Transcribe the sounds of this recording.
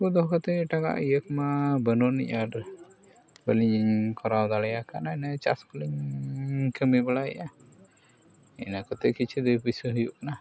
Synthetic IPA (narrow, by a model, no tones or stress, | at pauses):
kud̪ɔɦkɔt̪ɛɛʈaka̰ʔijəkmabənɔniʔaɾ | bəliɲiɲkɔɾawd̪alɛjakanainat͡ʃa̰skəliɲ | kəmibəlaɛ̰ʔa | ḭnakɔt̪ɛkit͡ʃʰid̪əpisəɦəjuʔkana